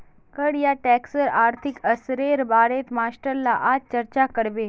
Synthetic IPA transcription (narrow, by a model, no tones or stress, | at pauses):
kəɽjaʈɛːksəɾaːɾt̪ʰɪkəsɾeːɾbaːɾeːt̪maːsʈəɾlaʔaːd͡ʒt͡ʃɐɾt͡ʃakəɽbeː